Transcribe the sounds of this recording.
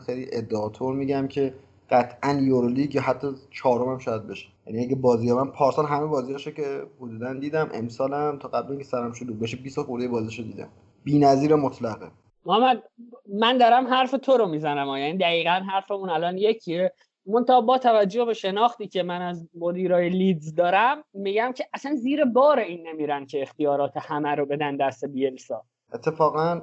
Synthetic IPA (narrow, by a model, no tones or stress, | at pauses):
xejliʔed̪ːeɒːt̪ʰoɾmiːɟæmcʰe̞ | ɢ̥æt̪ʰʔænjoɾoliːɡjɒɦæt̪ʰːɒt͡ʃʰɒːɾomæmʃɒːjæd̪̚be̞ʃe̥jæ̰niæɡæbɒːzijɒbænpʰɒːɾsɑnɦæmebɒːzijɒʃocʰehod̪uːd̪ænd̪iːd̪æmʔḛmsɒːlæmt̪ʰɒːɣæbliŋkʰesæɾæmʃod̪uːbeʃ̬ebiːsoxuɾd̪ejebɒːziʃod̪iːd̪æ̰m | b̥iːnæziːɾæmːot̪ʰlæɣe | ɒːmæd̪̚mænd̪ɒɾæmɦæɾfe̞t̪ʰoɾo̞mizænæmɒːjænid̪æɣiːɣænɦæɾfemunælɒːnje̞cʰie | mont̪ʰɑbɒːt̪ʰævæd͡ʒːohbeʃe̞nɒːxt̪iːcʰe̞mænæzmod̪iːɾɒːjelid̪zd̪ɒːɾæmːiɟæmcʰe̞ʔæsænziːɾe̞bɒːɾeiːnːemiːɾæncʰe̞ːxt̪ijɒːɾɒːt̪ʰe̞hæmæɾobe̞d̪ænd̪æst̪ebielʃoː | et̪ʰːefɒːɣæn